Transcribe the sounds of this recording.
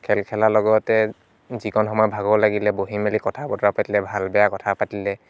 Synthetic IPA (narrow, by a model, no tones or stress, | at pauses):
kʰɛlkʰɛlalɔɡɔtɛ | zikʰɔnxɔmɔjɔbʱaɡɔlaɡilɛboɦimelikɔtʰabɔtapatilɛbʱalbɛjakɔtʰapatilɛ